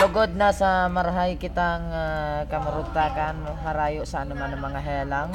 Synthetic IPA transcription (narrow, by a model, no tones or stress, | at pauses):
lʊɡod̪̚nasɐmɐɾaɦajkɪt̪aŋakɐmʊɾʊɡ̚t̪aːkan | ɦaɾaːjoʔsɐʔanʊmanɐŋmɐŋaɦɛːlaŋ